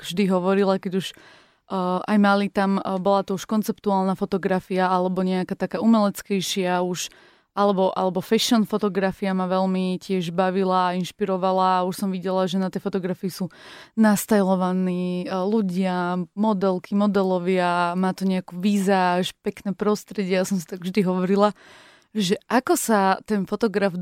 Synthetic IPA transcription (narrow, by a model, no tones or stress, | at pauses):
vʒd̪iɦɔʋɔɾilakɛɟuʃ | ʔajmalit̪ambɔlat̪ɔuʃkɔnt͡sɛpt̪uaːlˠnafɔt̪ɔɡɾafiaalɛbɔɲɛakat̪akaːumɛlɛt͡skɛjʃɪauʃ | alɛbɔʔa̰lɛbɔfɛʃɔnfɔt̪ɔɡɾafiamaʋɛlmicɪɛʒbaʋilaːinʃpiɾɔʋalaːuʃsɔmʋiɟɛlaʒɛnat̪ɛjfɔt̪ɔɡɾafiːsuːnast̪ajlɔʋaniːluɟɪamɔd̪ɛlkʰimɔd̪ɛlɔʋɪamaːt̪ɔɲɛakuʋiːzaːʃpɛknɛːpɾɔst̪ɾɛɟɪɛjasɔmsi̥t̪aɡvʒd̪iɦɔʋɔɾila | ʒɛʔakɔsat̪ɛnfɔt̪ɔɡɾav